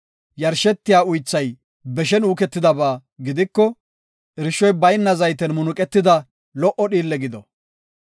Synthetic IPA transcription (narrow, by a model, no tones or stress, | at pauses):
jɐɾʃɛt̪ːɪjaːʊjt͡sːɐj | bɛʃɛnuːkɛt̪ːɪd̪ɐbaːɡɪd̪ɪkːɔ | ʔɪɾɪʃːɔjbɐjnːɐzɐjt̪ɛnmʊnʊkʼɛt̪ːɪd̪ɐ | lɔʔɔɗiːlːɛɡɪd̪ɔ